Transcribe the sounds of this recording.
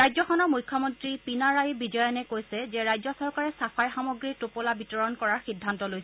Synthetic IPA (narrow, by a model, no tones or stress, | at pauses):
ɹajzɔxɔnɔɹmujkʰːɔmɔntɹipinaɹajbid͡ʒɔjɔnɛkojsɛzɛɹajzɔsɔɹkaɹɛsapʰajxamoɡɹitopolabitɔɹɔnkɔɹaɹxidʱːantɔlojsɛ